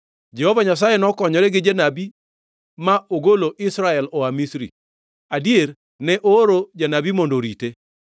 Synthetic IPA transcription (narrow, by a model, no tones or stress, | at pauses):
d͡ʒɛhovaɲas̬ajenɔkɔɲɔɾɛɡɪd͡ʒenabi | maoɡoloʔɪsɾaɛlɔamisɾḭ | adier | nɛʔoːɾod͡ʒanabimɔndoɾite